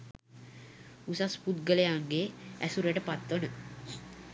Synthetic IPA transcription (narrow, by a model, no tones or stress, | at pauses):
usaspud̪̚ɡələjaŋɡeæsuɾeʈəpat̪ʋonə